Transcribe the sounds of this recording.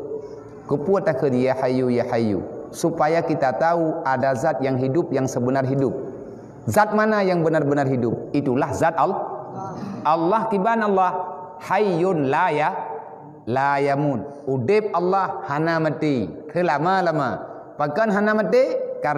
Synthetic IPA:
kəpuat̪akənjahajujahajṵsupajakit̪at̪auʔadazat̪̚jaŋɦidup̚jaŋsəbənarɦidʊp̚ | zat̪̚manajaŋbənarbənarɦidʊp̚it̪ulahzat̪̚al | ʔalːɑhkibanɑlːɑh | hajːonlaja | lajamun | udɪp̚alːɑhhanamat̪itʰəlamalama | pakanɦanamat̪eka

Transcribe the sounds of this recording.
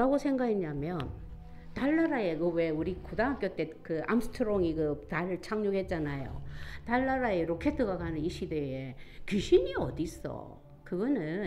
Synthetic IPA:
ɾaɡosʰe̞ŋɡaɡɦeɲamjʌn | taɭːaɾae̞ɡɯwe̞uɾikudaak͈jʌt̚t͈e̞kɯa̰msʰɯ̥tʰɯɾoŋiɡɯtaɾɯt͡ɕʰaŋɲoɡɦe̞t̚t͡ɕ͈anajo̰taɭːaɾajeɾokʰe̞tʰɯɡakanɯniɕʰideekiɕʰiɲiʌdis͈ʌ̰ | kɯɡʌnɯn

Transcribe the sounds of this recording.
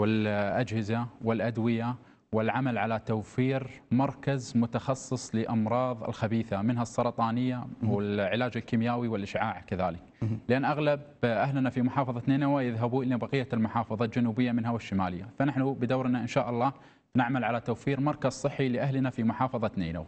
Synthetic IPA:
wɪlʔad͡ʒhɪzawɪlʔad̪wɪja | wɪlʕamalʕalat̪awfiːɾmɑɾˤkazmʊt̪ɑxɑsˤːɨsˤlɪʔɑmɾˤɑːðˤɪ̰lxabiːθamɪnɦasˤːɑɾˤɑt̪ˤɑːnɪjːawɪʕɪlaːd͡ʒɪlkiːmjaːwiwɪlʔɪʃʕaːʕkaða̰ːlɪklɪʔanːʔaɣlab̚ | ʔahlnafimʊħɑːfɑðˤɑt̪neːnawajɪðɦabuːʔɪlibɑqijːalmʊħɑːfɑðˤɑld͡ʒanuːbɪjːamɪnɦawɪʃːɪmaːlɪjːafanaħnubɪd̪awɾnaʔɪnʃaːʔɑlˤːɑː | nɪʕmalʕalat̪awfiːɾmɑɾˤkazsˤɨħːilɪʔaɦlnafimʊħɑːfɑðˤɑt̪nḛːnawa

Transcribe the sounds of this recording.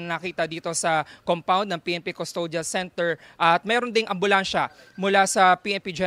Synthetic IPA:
nɐkiːt̪ɐd̪iːt̪o̞sɐkompawnd̪nɐŋpiːʔɛnpikost̪od͡ʒɐsɛnt̪ɛɹʔɐt̪̚mɛːɾond̪ɪŋʔɐmbʊlanʃɐ | mʊlasɐpiːʔɛnpid͡ʒɛ

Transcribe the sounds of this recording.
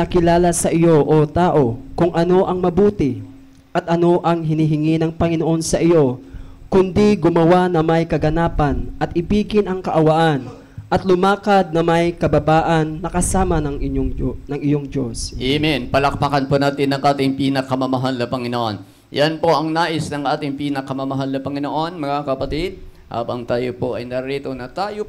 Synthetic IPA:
nɐkɪlaːlɐsɐʔɪjo̞ʔot̪aːʔo̞kʊŋʔɐno̞ʔɐŋmɐbuːt̪ɪ | ʔɐt̪̚ʔɐno̞ʔɐŋɦɪniɦɪŋinɐŋpɐŋɪnoʔo̞nsɐʔɪjo̞kʊnd̪iɡʊmɐwanɐmɐjkɐɡɐnaːpɐnʔɐt̪̚ʔɪbiːɡɪnʔɐŋkɐʔɐwɐʔan | ʔɐt̪lʊmaːkɐd̪̚nɐmɐjkɐbɐbaːʔɐnːɐkɐsaːmɐnɐŋʔɪoŋnɐŋɪjo̞ŋd͡ʒosʔemɛnpɐlɐk̚pakɐnponaːt̪ɪnːɐŋʔaːt̪ɪŋpinɐkɐmɐmɐɦalnɐpɐŋɪnoʔon | janpo̞ʔɐŋnaːʔɪsnɐŋʔaːt̪ɪŋpinɐkɐmɐmɐɦalnɐpɐŋɪnoʔo̞nmɐŋakɐpɐt̪id̪̚ | ha̰ːbɐŋt̪aːjopoʔɐjnɐɾɾiːt̪o̞nɐt̪aːjo

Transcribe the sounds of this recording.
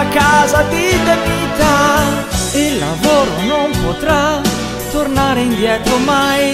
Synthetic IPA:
akazad̪id̪ebit̪a | ilːa̰voːɾonompot̪ɾa | t̪ornaːɾeind̪jɛːt̪ɾomaj

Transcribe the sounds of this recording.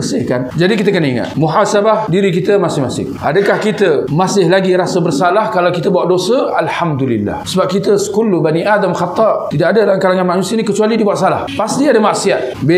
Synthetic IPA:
sɪhkand͡ʒadikit̪əkəniŋa̰t̪̚muɦasabahdiɾik̬it̪əmasɪhmasɪ̰hʔa̰dəkahkit̪əmasɪhlaɡiɾasəbərsalahkalawkit̪əbawaʔ̚dosəalhamd̪ulḭlːa̰hsəbap̚kit̪əsə̥kulːubaniʔadamxat̪ːɑʔt̪idaʔkadadalaŋkalaŋanmaʔnusiənikət͡ʃualidibuat̪̚sala̰hpast̪iadəmaʔsiat̪̚be

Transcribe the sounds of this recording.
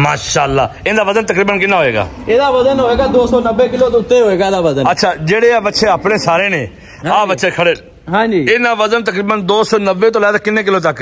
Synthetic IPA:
maːʃaːəlːa̰ːɪ̃nd̪aːʋəzənt̪əkɾiːbənkɪnːaːɦoːḛːɡa̰ːeːd̪aːʋəzənɦoːeːɡaːd̪oːsɔːnəʋːeːkɪloːt̪ːʊt̪ːeːɦoːeːɡaːd̪aːʋəzənətːt͡ʃʰaːd͡ʒeːɽeːaːbətːʃʰeːaːpɽẽːsaːɾeːneː | aːbəːʃeːkʰəɽeː | ɦãːd͡ʒiːɪnãːʋəzənt̪əkɾiːbənd̪oːsɔːnəʋːeːt̪̬oːlɛːd̪aːkɪnːẽːk̬ɪloːt̪ək

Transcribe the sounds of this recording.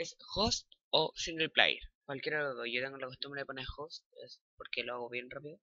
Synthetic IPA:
esxost̪osiŋɡelpla̰jḛɾkwalkjeɾaðelozðoʝot̪e̞ŋɡolakost̪umbɾeeponesxost̪̚ḛspoɾkeloaɣoβje̞nrapiðo

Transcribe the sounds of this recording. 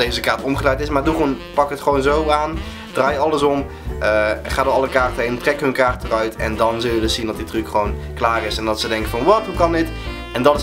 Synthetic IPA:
deːzəkaːɹtɔmχədajtɪsmaːɹduχonpɑkɦətχəʋownzowaːn | d̥raːjɑlˠəsɔm | ʔəːχaːdoːɹɑlˠəkaːɹtɦejntrɛkɦɵnkaːɹtərœɥtʰɛ̰ndɑnzɵlˠjədɵssindɔt̚ditrykχəʋownklaːrɪsɛndɔtsədɛŋkəfɑnʋɑtɦukɑndɪt | ɛndɑt

